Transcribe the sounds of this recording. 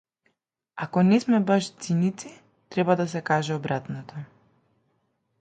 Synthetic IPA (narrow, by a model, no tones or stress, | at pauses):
akɔnɛsmɛbaʃt̪sinit̪si | t̪ɾɛbad̪as̬ɛkaʒɛɔbɾat̪nɔt̪ɔ